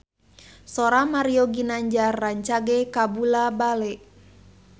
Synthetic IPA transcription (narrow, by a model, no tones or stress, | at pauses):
sɔɾamaɾiɔɡinaɲd͡ʒaːaɲt͡ʃaɡɛkabulabalɛʔ